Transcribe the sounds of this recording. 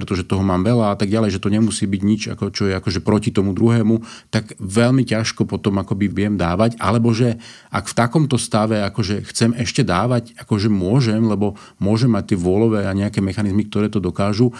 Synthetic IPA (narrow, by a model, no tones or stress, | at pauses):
ɾɛt̪ɔʒɛt̪ɔɦɔmaːmʋɛlaat̪aɡɟalɛjʒɛt̪ɔɲɛmusiːbiɟɲit͡ʃa̰kɔt͡ʃɔjɛakɔʒɛpɾɔcit̪ɔmud̪ɾuɦɛːmut̪aɡʋɛʎmicaʃkɔpɔt̪ɔmakɔbiʋɪjɛmd̪aːʋaca̰lɛbɔʒɛ | akft̪akɔmt̪ɔst̪aʋɛakɔʒɛxt͡sɛmɛʃcɛd̪aːʋacakɔʒɛmʊɔʒɛmlɛbɔ | mʊɔʒɛmːac̚t̪ɪɛʋʊɔlɔʋɛːaɲɛakɛːmɛxanizmik̚t̪ɔɾɛːt̪ɔd̪ɔkaːʒu